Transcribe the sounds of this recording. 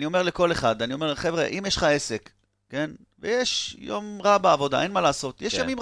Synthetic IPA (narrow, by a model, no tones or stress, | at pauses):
nio̞meleko̞le̞χad̪anio̞me̞ʁleχevʁeʔimjeʃχae̞sekː | e̞n | vejeʃjo̞̰mʁabeavo̞da̰ʔe̞nmalaːso̞t̪jeʃjamim